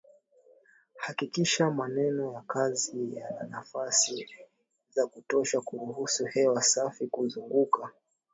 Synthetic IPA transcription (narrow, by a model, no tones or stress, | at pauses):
hakikiʃamanɛnɔjakazijananafasi | zakutɔʃakuɾuhusuhɛwasafikuzuŋɡuka